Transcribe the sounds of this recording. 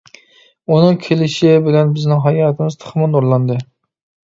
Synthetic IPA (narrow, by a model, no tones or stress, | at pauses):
unɨŋkʲʰelɪʃɪbɪlɛnbɪznɪŋɦɑjɑːt̪ʰɪmɪz̥t̪ʰɨ̥χmɑnoɾlˠɑnd̪ɨ